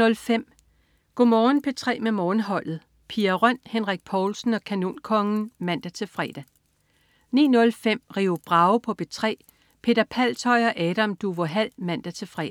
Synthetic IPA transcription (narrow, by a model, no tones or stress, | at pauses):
ɔlfem̰ | ɡ̥omɒːn̩pʰe̝t͡sʰʁɛ̰ːmemɒːnɦɒ̽l̰ð̩ˠ | pʰiːɐʁœn̰henʁaɡ̥̚pʰɒːlsn̩ɒ̽kʰæno̝̰ːnkʰɒ̽ŋn̩mæn̰d̥æt͡sʰe̝fʁɛ̰ːd̥æ | nḭːnɔ̽lfem̰ʁiːʊb̥ʁɑ̈ʊpʰɒ̽b̥e̝t͡sʰʁɛ̰ː | pʰe̝ːd̥ɐpʰæl̰t͡sʰɒ̽ɪɒ̽ʔɛːɾ̥æmd̥uʋoɦæl̰mæn̰d̥æt͡sʰe̝fʁɛ̰ː